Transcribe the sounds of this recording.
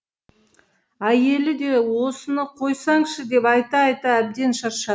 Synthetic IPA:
æje̞lɪd̪e̞wo̞sənəqʰo̞jsɑŋʃəd̪e̞pɑjt̪ɑːjt̪ɑæb̚d̪e̞nʃɑɾʃɑ

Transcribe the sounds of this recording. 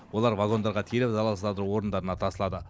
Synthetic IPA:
wo̞lˠɑɾvaɡo̞nd̪ɑɾʁɑt̪ʰelɪpzɑlˠɑsəzɑd̪əɾuwo̞ɾənd̪ɑɾənɑt̪ʰɑsəlˠɑd̪ə

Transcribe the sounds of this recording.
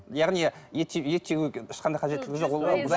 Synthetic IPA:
jɑʁnijet̪ːejet̪ʰːeɡʲɪkʲɪ̥ʃqɑnd̪ɑjqɑʒet̪ɪlɪɡʲɪʒo̞qwolˠʁɑbz

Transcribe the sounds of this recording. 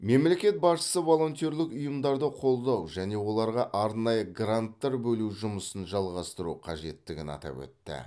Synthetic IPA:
me̞mle̞kʲe̞t̪̚bɑsʃə̥səvo̞lˠo̞nʲt̪ʲo̞ɾlɪkʊjəmd̪ɑɾd̪əqʰo̞lˠd̪ɑwʒæne̞wo̞lˠɑɾʁɑʔɑɾnɑjəɡrant̪ːɑɾbɵluʒʊməsənʒɑlˠʁɑst̪əɾuqʰɑʒe̞t̪ːɪɡʲɪnɑ̰t̪ɑ̰pwɵ̰t̪ːɪ̰

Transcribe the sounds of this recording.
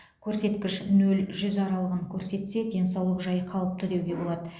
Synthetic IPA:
kʲʰɵɾse̞t̪kʲɪʃnɵlʒʏzɑɾɑlˠəʁəŋkʲʰɵɾse̞t̪se̞d̪ʲe̞nsɑwlˠəqʒɑjəqʰɑlˠəp̚t̪ʰʏd̪e̞wɡʲe̞bo̞lˠɑd̪ə

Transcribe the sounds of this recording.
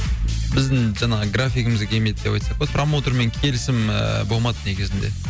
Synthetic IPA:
bɪzd̪ɪŋʒɑɴɑʁəɡrafʲijkəməzɡʲkʲʰe̞lme̞jd̪̚d̪e̞pɑjt̪sɑq̚bet̪ʰromot̪ɾme̞ŋkʲʰe̞lɪsɪmə̰bo̞lˠmɑd̪əneɡʲezɪnd̪e̞̰

